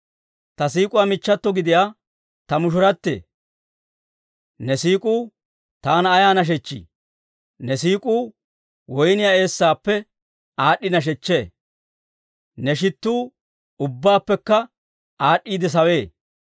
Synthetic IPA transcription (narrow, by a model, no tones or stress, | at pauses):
t̪ɐs̬iːkʼʊwamɪt͡ʃːɐt̪ːɔɡɪd̪ɪjaː | t̪ɐmʊʃʊɾɐt̪ːḛː | nɛsiːkʼuː | t̪aːnɐːjaːnɐʃ̬ɛt͡ʃːḭ | nɛsiːkʼuː | wɔjnɪjaːe̞ːsːaːpːɛ | aːɗːɪnɐʃ̬ɛt͡ʃːe̞ː | nɛʃ̬ɪt̪ːuː | ʊbːaːpːɛkːɐ | aːɗːiːd̪ɛs̬ɐwe̞ː